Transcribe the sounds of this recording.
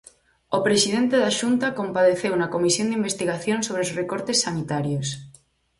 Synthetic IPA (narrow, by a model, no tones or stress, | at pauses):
opɾesiðent̪eðaʃunt̪akompaðeθewnɐkomisjond̪imbest̪iɣaθjonsoβɾeosrekoɾt̪esːanit̪aɾjos